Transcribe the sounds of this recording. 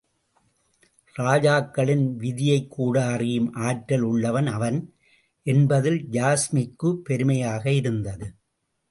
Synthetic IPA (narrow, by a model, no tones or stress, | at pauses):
ɾaːd͡ʒaːkːɐɭɪnʋɪðɪjɐɪkʰːuːɽaːrɪjɯmʔaːʈɾɐlʊɭːɐʋɐnɐʋɐn | ʔɛnbɐðɪld͡ʒaːsmɪkːɯpːɛɾɯmɐjaːɣɐɪɾɯnd̪ɐðɯ